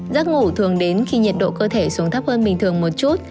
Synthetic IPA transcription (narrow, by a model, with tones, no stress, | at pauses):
zaː˦˥k̚ŋu˧˩t̪ʰɨ˨˩əŋɗe˨˦nxi˧ɲi˨˩t̚ɗo̰˧˨kəː˧t̪ʰe˧˩su˨˦əŋt̪a˦˥p̚həː˧nɓï˨˩ŋ̟t̪ʰɨ˨˩əŋmo˨˩t̚t͡ɕu˦˥t̚